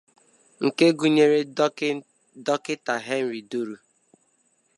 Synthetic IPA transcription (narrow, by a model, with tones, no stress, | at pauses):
ŋ̩˨ke˦ɡu˨ɲe˨ɾe˦ | dɔ˦kɪ˦ta˨ɦe˦n̩˨ɾi˨du˦ɾu˨